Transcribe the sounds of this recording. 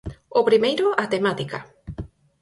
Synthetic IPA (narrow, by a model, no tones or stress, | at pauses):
opɾimejɾʊʔat̪emat̪ika̰